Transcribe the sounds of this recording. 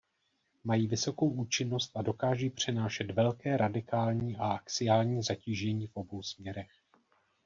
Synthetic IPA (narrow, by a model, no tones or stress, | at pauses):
majiːvɪso̞ko̞wʔuːt͡ʃɪno̞st̪̚ʔado̞kaːʒiːpr̝̥ɛnaːʃɛt̪vɛlkɛːɾʔadɪkaːlɲiːʔaʔakt͡sɪjaːlɲiːzaciːʒɛɲiːfʔo̞bo̞wsmɲɛɾɛx